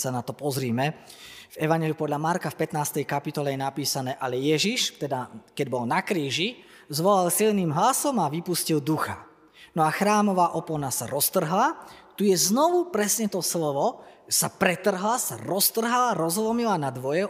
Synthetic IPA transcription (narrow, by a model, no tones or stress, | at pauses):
sanat̪ɔpɔzɾiːmɛ | vɛʋaɲjɛliupɔd̪lʎamaɾkafpɛt̪naːst̪ɛjkapit̪ɔlɛjɛnapiːsanɛːʔalɛjɛʒiʃt̪ɛd̪akɛɟbɔlnakɾiːʒi | zʋɔlalsilniːmɦlasɔmaʋipuscild̪uxa | nɔaxɾaːmɔʋaːʔɔpɔnasaɾɔst̪r̩ɦlat̪ujɛznɔʋupɾɛsɲɛt̪ɔslɔʋɔsapɾɛt̪r̩ɦlasaɾɔst̪r̩ɦalaɾɔzlɔmilanad̪ʋɔjɛ